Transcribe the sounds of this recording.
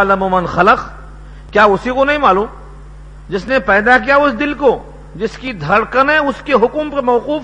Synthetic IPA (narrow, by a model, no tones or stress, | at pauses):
lɐmoːmɐnxɐləq | kjaːʊsikonɐɦĩmaːluːm | d͡ʒɪsnepɛːd̪ak̬ijaʊsd̪ɪlko | d͡ʒɪskid̪ʱɐɽkɐnɛ̃ʊskeɦʊkʊmpɐɾmɐʋquːf